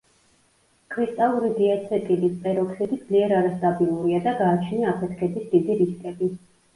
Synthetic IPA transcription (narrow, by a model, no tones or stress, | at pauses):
kʰɾist̪ʼalˠuɾid̪iat̪sʰɛt̪ʼilispʼɛɾɔkʰsid̪id̪z̥liɛɾaɾast̪ʼabilˠuɾiad̪aɡaːt͡ʃʰniaapʰɛt̪ʰkʰɛbisd̪id̪iɾiskʼɛbi